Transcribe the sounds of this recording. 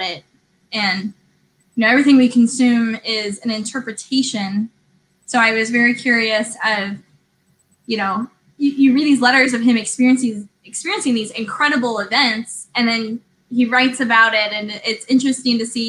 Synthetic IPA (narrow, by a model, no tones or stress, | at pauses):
ɾɪt̚ | ɨ̃n | jɨnoʊɛvɹiθɪ̃ŋwikʰn̩sʉ̃mɪzɨ̃nɨ̃ntʰɜ˞pɹɨtʰeɪʃɨ̃n | soʊaɪwʌzvɛɹikʰj̥ʊɹiɨsʌv̥ | jɨnoʊ | jɨjɨɹid̪̚ðizlɛɾə˞zʌv̥ɨ̃mɨkspɪɹiɨ̃nsɪ̃ŋ | ɨkspɪɹiɨ̃nsɪ̃ŋðizɨ̃nkʰɹ̥ɛɾəbl̩ˠɪvɛ̃ntsɨ̃nðɨ̃n | iɹaɪtsɨbaʊɾɪɾɨ̃nɪtsɪ̃nt͡ʃɹ̥ɨstɪ̃ŋtɨsi